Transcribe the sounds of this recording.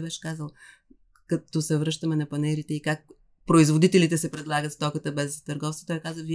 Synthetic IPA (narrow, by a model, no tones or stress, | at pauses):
bɛʃɛ̥kazəlˠ | kɐt̪osɛvɾɤʃt̪əmɛnɐpɐnɛɾit̪ɛikak̚ | pɾoizvod̪it̪ɛlit̪ɛsɛpɾɛd̪lˠaɡət̪st̪ɔkət̪əbɛzt̪əɾɡɔfso̥t̪ɔjkazəvi